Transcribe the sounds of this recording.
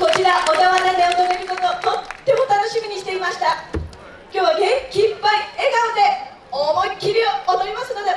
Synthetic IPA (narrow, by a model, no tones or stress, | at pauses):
ko̞t͡ɕiɾaʔod̪aβanad̪eot̪oɾeɾɯ̟kot̪ot̪ot̪ːe̞mo̞t̪ano̞ɕimʲiɲ̟iɕi̥t̪e̞imaɕi̥t̪a | kʲo̞ːɡ̪ekʲĩmpaieɡaod̪e̞ | omoɲʲikʲiɾʲioomoɾimasɨno̞d̪e̞